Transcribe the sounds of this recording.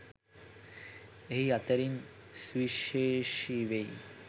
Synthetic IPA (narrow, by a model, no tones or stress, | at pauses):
eɦiɐt̪ɐɾinsʋiʃeʂiʋej